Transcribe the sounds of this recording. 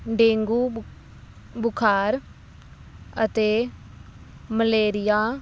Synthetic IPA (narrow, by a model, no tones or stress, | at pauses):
ɖẽːŋɡuː | bʊkʰaːɾ | ət̪eː | məleːɾɪjaː